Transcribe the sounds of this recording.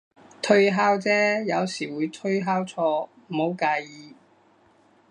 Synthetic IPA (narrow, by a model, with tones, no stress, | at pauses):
t̪ʰɵ˥ɥɦaː˥wt͡sɛː˥jɐ˨˧wsiː˨˩wuː˨˧jt̪ʰɵ˥ɥɦaː˥wt͡sʰɔː˧mm̩˨˩ho˨˧wkaː˨˧jiː˨˧